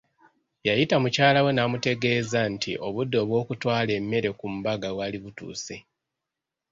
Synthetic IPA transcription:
jajitamucaːlawe̞namute̞ɡe̞ːzantʰḭʔo̞βudːo̞ːβwo̞ːkutwaːle̞mːe̞ɾe̞kumubaɡawaliβutṵːse̞

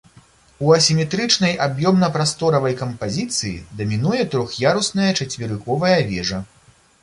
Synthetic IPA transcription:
uɐsʲimʲɛt̪ɾɨt͡ʂnɐjʔabjɔmn̪ɐpɾast̪ɔɾɐvɐjkɐmpazʲit̪sɨjḭd̪ɐmʲinujɛt̪ɾɔxjaɾusnɐjɐt͡ʂɐt͡sʲvʲiɾɨkɔvɐjɐvʲɛʐɐ

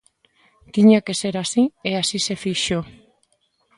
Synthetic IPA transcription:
t̪iɲakeseɾasieasisefiʃo

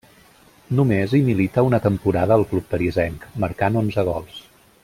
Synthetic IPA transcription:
numezimilit̪əunət̪əmpuɾaðəːlˠklupːəɾizɛŋkməɾkanonzəɣ̞ɔlˠs

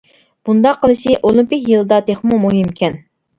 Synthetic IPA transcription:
b̥und̪ɑqʰːəlˠɨʃiʔolˠympɪkʲjɨlˠɨd̪ɑt̪ʰeχmumuɦimkʲʰɛn

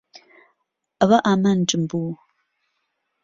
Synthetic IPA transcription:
aβaʔaman̩ʈ͡ʂʼɨmbu

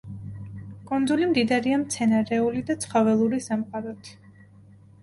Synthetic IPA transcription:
kʼɔnd̪zulimd̪id̪aɾiamt̪sʰɛnaɾɛulid̪at̪sʰχɔvɛlˠuɾisamqʼaɾɔt̪ʰi̥

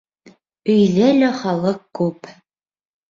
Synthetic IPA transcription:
ɵ̆jlælæχɑlˠɤq̚kʉp

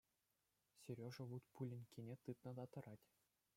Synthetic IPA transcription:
sʲeɾʲoʐɤ̆ʋut̪pulʲɘ̆nʲkʲenʲet̪ɯt̪nɤ̆d̪ɑt̪ɤ̆ɾɑtʲ

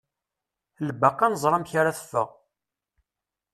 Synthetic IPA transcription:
ləbːəqːɑnəzˤɾˤɑmçaɾaθə̥fːə̰ʁ

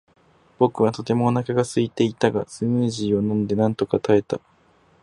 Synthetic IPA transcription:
b̥o̞kɯ̟βat̪o̞t̪e̞mo̞nakaɡasɨit̪e̞it̪aɡasɨmɯ̟ːʑiːo̞nõ̞nd̪e̞nãnt̪o̞kat̪ae̞t̪a

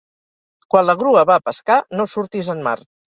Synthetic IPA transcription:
kwanləɣɾuəβapəskanosuɾt̪izənma̰r

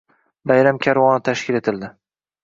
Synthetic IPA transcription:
bajɾamkʲʰaɾwɒnɪt̪ʰaʃkʲɪle̞t̪ʰɪld̪ɪ

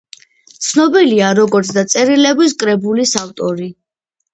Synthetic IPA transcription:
t̪sʰnɔbiliaɾɔɡɔɾt̪sʰd̪at̪sʼɛɾilɛbis̬kʼɾɛbulisaft̪ʼɔɾi

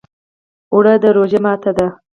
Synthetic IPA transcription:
ʊɽəd̪əɾod͡ʒemɑt̪ad̪a

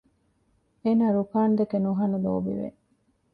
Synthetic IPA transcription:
eːnaːɾukaːnd̪ekenuɦɐnulo̰ːʋḭʋḛ

